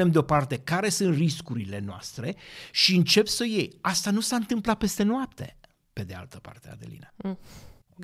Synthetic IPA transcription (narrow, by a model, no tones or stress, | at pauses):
e̞md̪eo̞part̪e̞kaɾe̞sɨnt̪riskuɾile̞noa̰st̪ɾe̞ʃiɨnt͡ʃe̞psəje̞jast̪anusaɨnt̪ɨmplat̪̚pe̞st̪e̞noap̚t̪e̞̰ | pe̞d̪ea̰lt̪əpa̰rt̪ea̰d̪elḭna